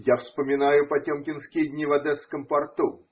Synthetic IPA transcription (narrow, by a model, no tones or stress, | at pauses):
jafspəmʲɪnajʊpɐtʲomkʲɪnskʲɪjəd̪ʲnʲɪvɐd̪ɛskəmpɐrt̪u